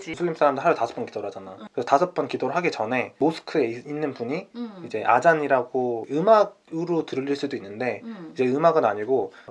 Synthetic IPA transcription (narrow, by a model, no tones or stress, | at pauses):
sʰɯʎːims͈ʰaɾamdɯɭɦaɾʌtasʰʌ̥p͈ʌnkid̥oɾɯɭɦad͡ʑanajokɯɾesʰʌtasʰɯp͈ʌnkidoɾɯɭɦaɡit͡ɕʌne̞mosʰɯ̥kʰɯe̞inːɯnpuɲiid͡ʑe̞ʔa̰d͡ʑaɲiɾaɡoɯmaɡ | ɯɾotɯɾɯʎːiɭs͈udoinːɯnde̞id͡ʑe̞ɯmaɡɯnaɲiɡo